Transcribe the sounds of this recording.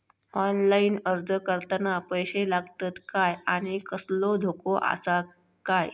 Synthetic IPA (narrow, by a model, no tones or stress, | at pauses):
ɔnlainəɾd͡zʱəkəɾt̪ənapəjɕelaɡt̪at̪kajaɽ̃ikəslod̪ʱokoʔa̰sa | kaj